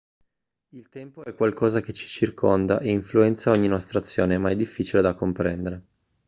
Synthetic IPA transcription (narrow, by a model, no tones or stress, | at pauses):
ilt̪ɛmpoɛkːwalkɔːzak̟et͡ʃi̥t͡ʃirkʰond̪a̰ʔeiɱfluɛnt̪saɔɲːinɔst̪ɾat̪sːjoːnemaɛd̪ifːit͡ʃiled̪akːompɾɛnd̪eɾe